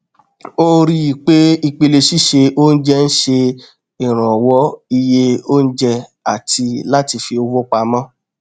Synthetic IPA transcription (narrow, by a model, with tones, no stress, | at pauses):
o˦ɾi˧˦i˨k͡pe˦i˧k͡pe˧le˧ʃi˦ʃe˧o˦n̩˦d͡ʒɛ˦n̩˦ʃe˧ | i˨ɾ̃ã˨wɔ˦i˧je˦o˦n̩˦d͡ʒɛ˧a˨ti˧la˦ti˧fi˧o˧wo˦k͡pa˧mã˦